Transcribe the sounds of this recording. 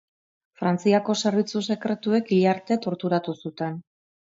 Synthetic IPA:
fɾant͡siako̞se̞ɾβit͡suse̞kɾe̞t̪ue̞kiʎaɾt̪e̞t̪o̞ɾt̪uɾat̪usut̪e̞n

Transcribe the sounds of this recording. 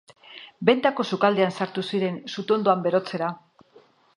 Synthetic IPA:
be̞nt̪ako̞sukald̪e̞ansaɾt̪usiɾe̞nsut̪ond̪oambe̞ɾo̞t͡se̞ɾa

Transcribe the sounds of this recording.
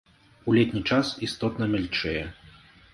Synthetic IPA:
ulʲɛt̪ʲnʲit͡ʂasist̪ɔt̪nɐmʲɛlʲt͡ʂɛjɛ

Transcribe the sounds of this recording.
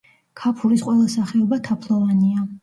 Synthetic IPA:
kʰapʰuɾisqʼwɛlˠasaχɛɔbat̪ʰapʰlˠɔvania

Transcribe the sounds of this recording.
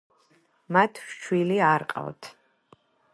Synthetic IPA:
mat̪ʰʃwiliaɾqʼa̰wt̪ʰ

